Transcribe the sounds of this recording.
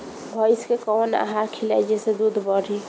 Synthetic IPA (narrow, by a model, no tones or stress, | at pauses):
bʱəjskekɔna̰ɦakʰilɛ̰d͡ʒesed̪ud̪ʱbəɽʱi